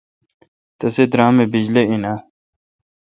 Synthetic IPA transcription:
t̪ɐsed̪ɾãːmebid͡ʑleina

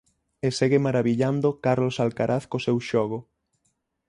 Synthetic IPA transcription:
eseɣemaɾaβiʎand̪okaɾlosalkaɾʔaθkosewʃɔɣ̞o

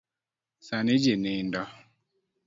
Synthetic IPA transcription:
sanɪd͡ʒenendɔ

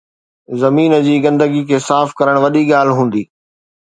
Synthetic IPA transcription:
zɐmiːnəd͡ʑiːɡɐ̃nd̪əɡikʰeːsaːfkɐɾəɽ̃ʋɐɗiɠaːl̤ɦũːn̆d̪iː

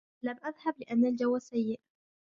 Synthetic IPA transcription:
lamʔaðhablɪʔanːald͡ʒawːasajːɪʔ

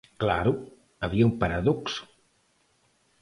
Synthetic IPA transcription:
kla̰ɾʊ | ɐβiɐumpaɾaðɔksʊ̥

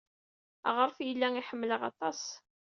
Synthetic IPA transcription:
ʁəɾˤfjəlːæŋiħəmːləʁɑ̰t̪ˤɑs

